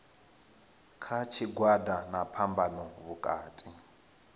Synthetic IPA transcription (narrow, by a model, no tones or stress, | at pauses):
kʰat͡ʃʰiɡwadanapʰambanɔβukʼaːtʼi